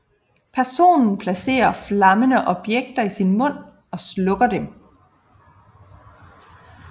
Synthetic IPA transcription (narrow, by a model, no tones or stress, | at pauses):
pʰæɐso̝̰ːnn̩pʰlæse̝̰ːɐflɑ̈mənəʔɒ̽b̥jeɡ̥̚d̥ɐisinmɔ̽n̰ | ɒ̽slɔ̽ɡ̥ɐd̥em